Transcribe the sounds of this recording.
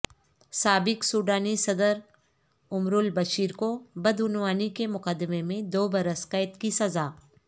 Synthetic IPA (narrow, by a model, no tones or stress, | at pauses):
saːbɪksuːɖaːnisɐd̪əɾ | ʊmɾʊlbɐʃiːɾkobɐd̪ʊnwaːnikemʊqəd̪ɪmemẽd̪oːbɐɾəsqɐːɪt̪kisɐzaː